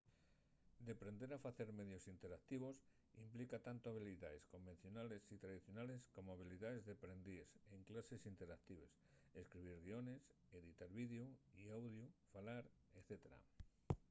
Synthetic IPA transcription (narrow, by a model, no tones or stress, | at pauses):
d̪epɾend̪eɾafaθeɾmeðjosint̪eɾak̚t̪iβ̞os | implikat̪ant̪oaβiliðaeskomben̟θjonalesit̪ɾað̞iθjonaleskomoaβ̞iliðaezðepɾend̪iseŋklasesint̪eɾak̚t̪iβes | eskɾiβ̞iɾɣ̞iones | eðit̪aɾβiðeoiawð̞jofalaɾ | eθet̪eɾa̰